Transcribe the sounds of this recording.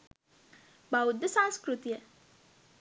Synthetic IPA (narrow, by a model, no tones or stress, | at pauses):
bawd̪ːəsãŋskɾut̪ijə